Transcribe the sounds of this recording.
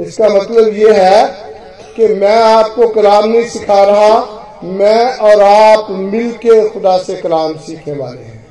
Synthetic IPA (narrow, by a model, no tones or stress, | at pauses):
ɪskamɐt̪ləbjeɦɛ | kemɛ̃aːp̚kokɐlaːmnɐɦĩsɪkʰaɾəɦa | mɛ̃ɔːɾaːpmɪlkexʊd̪asekəlaːmsiːkʰẽʋa̰ːlḛɦɛ̃ː